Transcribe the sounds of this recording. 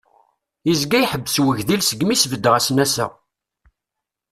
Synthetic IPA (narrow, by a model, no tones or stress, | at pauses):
izɡæjħəbːəswəʝðilsəɡmisvəd̪ːʁæsnæsæ̰